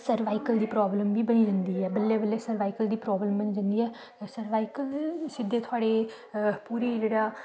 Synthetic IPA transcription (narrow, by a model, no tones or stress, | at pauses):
səɾʋaːikəld̪iːpɾɔːbləmbiːbəniːd͡ʒə̃nd̪iːɦɛːbəlːeːbəlːeːsəɾʋaːikəld̪iːpɾɔːbləmbəniːd͡ʒə̃nd̪iːɦɛː | səɾʋaːikəlsɪd̪ːeːt̪ʰʊaːɽeː | puːɾiːd͡ʒeːɽaː